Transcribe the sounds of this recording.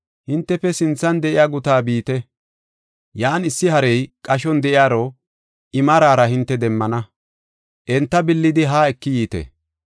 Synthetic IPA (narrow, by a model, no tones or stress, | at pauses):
hɪnt̪ːɛfɛsɪnt͡sːɐnd̪ɛʔɪjaːɡʊt̪aːbiːt̪ɛ | jaːnɪsːɪɦɐɾɛjkʼɐʃɔnd̪ɛʔɪjaːɾɔ | ʔɪmɐɾaːɾɐhɪnt̪ːɛd̪ɛmːɐnɐ | ʔɛnt̪ːɐbɪlːɪd̪ɪɦaːɛkːɪjiːt̪ɛ̰